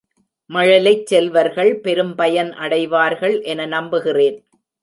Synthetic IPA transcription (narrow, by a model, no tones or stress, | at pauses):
mɐɻɐlɐɪt͡ʃsɛlʋɐɾɣɐɭpɛɾɯmpɐjɐnʔɐɽɐɪʋaːɾɣɐɭʔɛnɐnɐmbɯɣɪreːn